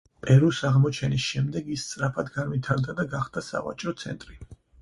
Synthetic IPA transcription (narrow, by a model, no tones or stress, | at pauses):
pʼɛɾusaʁmɔt͡ʃʰɛnisʃɛmd̪ɛɡist̪sʼɾapʰad̪ɡanvit̪ʰaɾd̪ad̪aɡaχd̪̥asa̰va̰t͡ʃʼɾɔt̪sʰɛ̰nt̪ʼɾi